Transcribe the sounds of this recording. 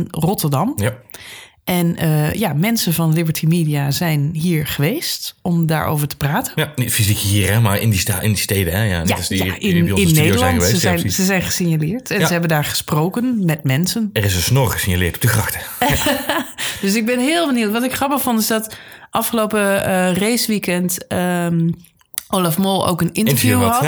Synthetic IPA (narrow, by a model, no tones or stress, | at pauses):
nrɔtəɹdɑm | ʔɛnəjamɛnsənvɑnlɪbəɹtʰimiːdiazɛjnɦiːɹχəʋejstɔmda̰ːɹo̰wvəɹtə̥praːtənfizikɦiːɹɛmaɹɪ̰ndistaɪndisteːdəɛja̰aɪsjaɪnɪnːeːdəɹlɛɑnəʋsəzɛjnsəzɛjnχəsinjalɪːɹtɛnnəɦɛbəndaːɹχə̥sproːkənmɛtmɛnsənɛrɪsənsnʊrχəsiɲalɪːɹtɔ̥b̚dəkrɑxtə | d̥øs̬ɪɡ̚bɛnɦɪːlˠbəniwtʋɑtɪkχrɑpəxfɔntɪzdɑtʔɑfχəlowpərejsʋikɛntə | ʔoːlafmolˠo̰wkənɪntəɹfjuɦɑt